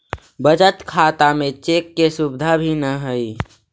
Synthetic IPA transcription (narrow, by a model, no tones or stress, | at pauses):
bəd͡ʒət̪kʰat̪amẽt͡ʃekːesubd̪ʱabʱinəɦəi